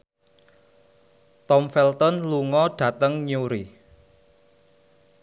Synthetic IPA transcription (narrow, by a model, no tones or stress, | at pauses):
t̪ɔmfɛlt̪ɔnluŋɔɖ̥ä̤t̪əŋɲuɾi